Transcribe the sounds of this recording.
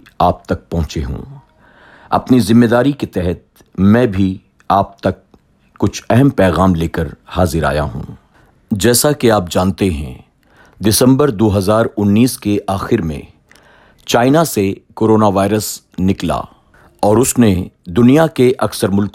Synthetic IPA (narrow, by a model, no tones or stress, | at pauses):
aːp̚t̪ɐk̚pɐ̃ɦʊ̃t͡ʃeɦṵ̃ | ɐ̰pnizɪ̃mːeːd̪aːɾiket̪ɛɦɛt̪̚ | mɛ̃ːbʱi | aːp̚t̪ɐkː | ʊt͡ʃʰɛɦɛmpɛːɣaːmleːkəɾhaːzɪɾa̰ːja̰ɦṵ̃ː | d͡ʒɛːsakeaːp̚d͡ʒãːnt̪eɦɛ̰̃ | d̪ɪsə̃mbəɾd̪oːɦɐzaːɾʊnːiːskeʔaːxɪɾmḛ̃ | t͡ʃaːɪnasekoːɾoːnaʋaːɪɾəs | nɪkla̰ː | ɔːɾʊsned̪ʊnijakeʔɐksəɾmʊlk